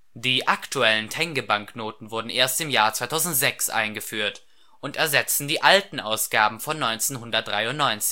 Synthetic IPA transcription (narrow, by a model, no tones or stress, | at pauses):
d̥iːʔaktuɛləntʰɛŋɡəbaŋknoːtn̩vʊɐdn̩ʔeːɐstɪmjaːɐt͡svaɪtʰaʊzn̩tz̥ɛksʔa̰ɪnɡəfyːɐt | ʔʊntɛɐzɛt͡sn̩diːʔaltn̩ʔaʊsɡ̥aːbm̩fɔnːɔʏnt͡seːnɦʊndɐt̚d̥ʁaɪʊntnɔʏnt͡sɪ̥